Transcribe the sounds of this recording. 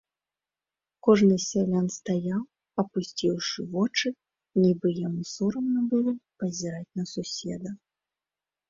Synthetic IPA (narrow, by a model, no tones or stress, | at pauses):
kɔʐnɨsʲalʲanst̪ajaw | ɐpusʲt͡sʲiwʂɨvɔt͡ʂɨ | nʲibɨjamusɔɾɐmnɐbɨlˠɔpɐzʲiɾat͡sʲnɐsusʲɛd̪ɐ